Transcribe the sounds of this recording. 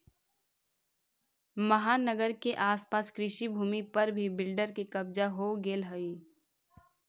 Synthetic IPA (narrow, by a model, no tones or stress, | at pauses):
məɦaːnəɡəɾkeʔaːspaːskɾɪʃibʱuːmipɐɾbʱibɪlɖəɾkikɐbd͡ʒaɦoɡeːlɦəi